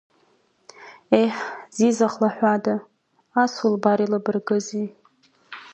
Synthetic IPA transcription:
ejħzizaχlaħᶣʷada | asulbaɾilabɨrɡɨzi

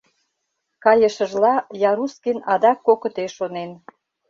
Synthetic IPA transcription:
kɑjəʃə̆ʒlɑjɑɾuskinɑd̪ɑkːokə̆t̪eʃonen

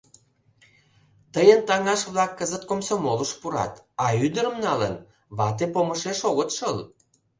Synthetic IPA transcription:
t̪əjənt̪ɑŋɑʃβlɑkːəzət̪̚komsomoləʃpuɾɑ̰t̪ɑyd̪əɾə̆mnɑlə̰n | βɑt̪epomə̆ʃeʃoɣət̪ʃəl

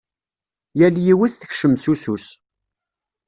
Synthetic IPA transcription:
jæljiwiθθəçʃəmsusus

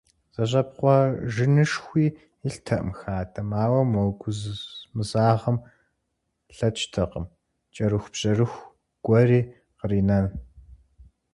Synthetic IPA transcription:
z̥ɐɕ̬ʼɐpqʷɔʒɪnɨʂxʷiː | ɪɬtʰɐʔmxaːtʰɐmaːwɐmɐwɡʷʊzmɨzaːʁɐm | ɬɐt͡ʃʰʼtʰɐqəm | t͡ʃʼɐɾɨxʷbʑ̥ɐrɨxʷ | ɡ̥ʷɔriː | qəriːnɐn

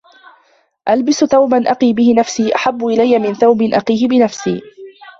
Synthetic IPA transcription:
ʔalbɪsθawbanʔɑqiːbɪhɪnafsiːʔaħabːʊʔɪlajːamɪnθawbɪnʔɑqiːhɪbɪnafsiː

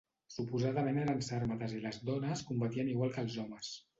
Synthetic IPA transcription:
supuzaðəmenalənsaɾmət̪əziləzðɔnəskumbət̪iəniɣwalˠkəlˠzɔməs

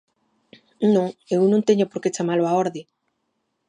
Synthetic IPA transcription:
nõŋewnõŋt̪eɲʊpoɾket͡ʃamalʊaoɾðɪ

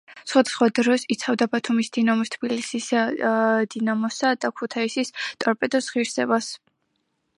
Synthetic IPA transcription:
sχwad̪asχwad̪ɾɔsit̪sʰχavd̪abat̪ʰumisd̪̥inamɔst̪ʰbilisis | d̪̥inamɔsad̪akʰut̪ʰaisist̪ʼɔɾpʼɛd̪ɔsʁiɾsɛbas

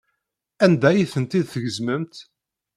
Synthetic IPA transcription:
ænd̪æjiθənt̪id̪θəʝəzməmt̪

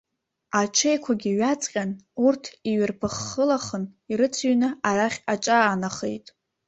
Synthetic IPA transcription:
at͡ʃʰejkʷʰaɡʲiɥat͡sʼqʲʼanurtʰiɥɪrpʰɨχːəlaχəniɾɨt͡sʰɥnɨaraχʲat͡ʃʼaːnaχḛjtʼ

